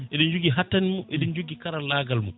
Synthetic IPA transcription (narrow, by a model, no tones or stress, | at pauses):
ʔɛɗind͡ʒoɡiɦatːanimɔʔɛɗind͡ʒoɡikaɾalaːɡalmɔ̰